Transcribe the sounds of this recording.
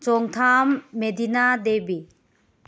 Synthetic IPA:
t͡ʃɔŋtʰamːedinadebi

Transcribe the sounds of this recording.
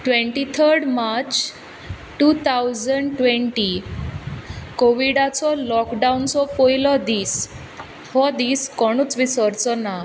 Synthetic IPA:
ʈʋẽɳʈit̪ʰəɾɖmaɾt͡ɕ | ʈuːt̪ʰawd͡zəɳɖʈʋẽɳʈi | koʋiɽat͡sɔlɔkɖaunt͡sɔpojlɔd̪iːs | hɔd̪iːskɔɽ̃uːt͡sʋisɔɾt͡sɔna

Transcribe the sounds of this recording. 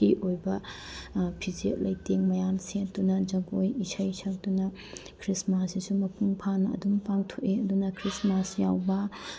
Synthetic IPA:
iʔojbɐ | pʰizet̚lɐjteŋmɐjamsed̥unɐd͡ʒɐɡojisɐjsʰɐk̚dunɐ | kʰɾismasisumɐpuŋpʰanɐɐ̰dumpaŋtʰoʔeɐdunɐkʰɾismasjawbɐ

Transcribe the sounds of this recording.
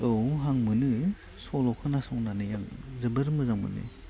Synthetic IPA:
ɯwɦaŋmɯnɯ | sɔlɔkʰɯnasɔŋnanɯjaŋzɯbɯɾmɯzaŋmɯ̰nɯ̰

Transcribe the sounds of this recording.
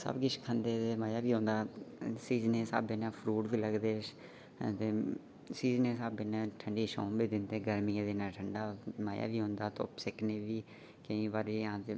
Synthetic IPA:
sə̰bɡɪt͡ʃkʰə̃nd̪eːd̪eːmaːjaːʋiːɦõːnd̪aːsiːzneːsa̰ːbeːnãːpʰɾuːʈbiːləɡd̪eː | t̪eː | siːznẽːsaːbenãːʈʰəɳɖiːʃo̰ːmbiːd̪ɪnd̪eːɡəɾmiẽːd̪eːnãːʈʰəɳɖaːmaːja̰ːʋiːɦõːnd̪aːt̪o̰ːsɪkʰneːʋiː | kəĩːʋaːɾiãːt̪e

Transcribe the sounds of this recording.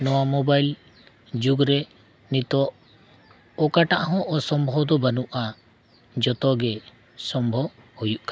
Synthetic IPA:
nɔwamɔbajl | d͡ʒuɡɾɛ | nit̪ɔʔ | ɔkaʈaʔɦɔ̃ʔɔsɔmbʱɔd̪ɔbanuʔa | d͡ʒɔt̪ɔɡɛ | sɔmbʱɔhujuʔka

